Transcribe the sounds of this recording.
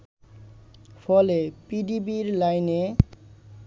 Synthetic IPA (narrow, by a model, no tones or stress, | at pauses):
pʰɔlepidibiɾlajne